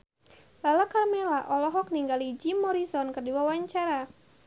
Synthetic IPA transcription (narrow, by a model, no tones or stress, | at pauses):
lalakarmɛlaʔɔlɔɦɔk̚niŋɡalid͡ʒimɔɾisɔnkərdiwawaɲt͡ʃaɾa